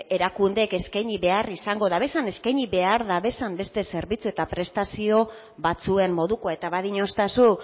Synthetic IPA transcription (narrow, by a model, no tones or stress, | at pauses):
e̞ɾakund̪e̞ke̞skajɲiβe̞arisaŋɡo̞ðaβe̞sane̞skajɲiβe̞aɾðaβe̞sambe̞st̪e̞se̞ɾβit͡sue̞t̪apɾe̞st̪asio̞ | βat͡sue̞mmo̞ðukoae̞t̪aβaðiɲo̞st̪asu